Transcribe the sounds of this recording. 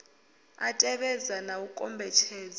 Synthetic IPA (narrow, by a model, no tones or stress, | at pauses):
atʼɛɓɛzanawukʼɔmbʱɛt͡ʃʰɛːz